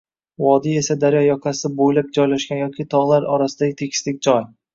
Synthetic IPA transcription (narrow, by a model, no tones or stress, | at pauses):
vɒd̪ie̞sad̪aɾjɒjɒkʰasɪbojlap̚d͡ʒɒjlaʃkʲanjɒkʲʰɪt̪ʰɒʁlˠaɾɒɾasɪd̪aɡʲɪt̪ʰekʲʰɪ̥slɪkʲd͡ʒɒj